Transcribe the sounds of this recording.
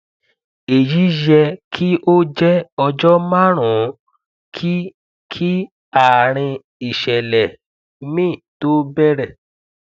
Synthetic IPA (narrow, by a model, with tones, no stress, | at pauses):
e˨ji˨˦jɛ˧kʰi˦ʔo˦d͡ʒɛ˦ɔ˧d͡ʒɔ˦ma˦˨ɾ̃ũ˨ | kʰi˦ | kʰi˦ | a˨ɾ̃ĩ˧ | i˨ʃɛ˨lɛ˨ | mĩ˦˨to˦bɛ˦ɾɛ˦˨